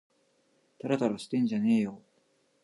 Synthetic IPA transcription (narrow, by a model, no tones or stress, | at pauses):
t̪aɾat̪aɾaɕi̥t̪ẽ̞ɲ̟d͡ʑane̞ːjo